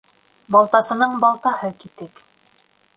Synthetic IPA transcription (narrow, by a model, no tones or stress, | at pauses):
bɑlˠt̪ɑsɤ̆nɤɴbɑlˠt̪ɑhɤkit̪ɘk